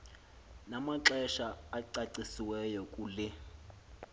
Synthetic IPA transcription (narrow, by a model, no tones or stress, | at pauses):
namaǁɛʃaːǀaǀisiwɛjɔkʼulɪ